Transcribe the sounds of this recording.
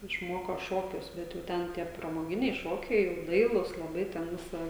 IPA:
ɪʃˈmoːkoː ˈʃoːkʲʊs ˈbʲɛt jɛʊ ˈtʲɛn tʲiɛ prɐmoːˈɡʲɪnʲɛɪ ˈʃoːkʲɛɪ jɛʊ ˈdɐɪlˠuːs lˠɐˈbɐɪ tʲɛn ˈʋʲɪsɐ

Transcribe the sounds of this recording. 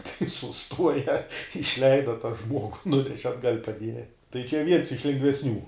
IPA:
tɐɪ sʊˈstuɔjɛ ɪʃʲˈlʲɛɪdɐ tɐ ˈʒmuɔɡʊ ˈnʊnʲɛʃʲɛ ɐdˈɡɐlʲ pɐˈdʲiɛjɛ tɐɪ t͡ʃʲɛ ˈʋʲiɛns ɪʃ lʲɛŋɡʋʲɛsʲˈnʲuː

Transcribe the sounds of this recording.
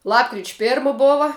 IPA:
ˈlˠɑːpkrʲɪt͡ʃʲ ˈpʲeːrmɐ ˈboːʋɐ

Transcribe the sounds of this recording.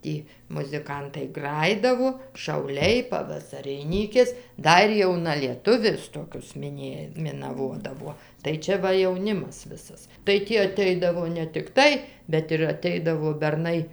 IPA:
ˈtʲiː mʊzʲɪˈkɐntɐɪ ˈɡrɑːjɪdɐʋoː ʃɐʊˈlʲɛɪ pɐʋɐsɐrʲɪˈnʲiːkʲeːs ˈdɐr jɛʊnɐlʲiɛˈtʊʋʲʊs ˈtoːkʲʊs mʲɪˈnʲeːj mʲɪnɐˈʋoːdɐʋuɔ tɐɪ ˈt͡ʃʲɛ ˈʋɐ jɛʊˈnʲɪmɐs ˈʋʲɪsɐs tɐɪ ˈtʲiː ɐˈtʲɛɪdɐʋoː nʲɛ tʲɪkˈtɐɪ bʲɛt ɪr ɐˈtʲɛɪdɐʋoː bʲɛrˈnɐɪ

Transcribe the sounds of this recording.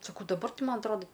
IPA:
sɐˈkɐʊ dɐˈbɐr ˈtʲɪ ˈmɐn ɐtˈroːdɐ

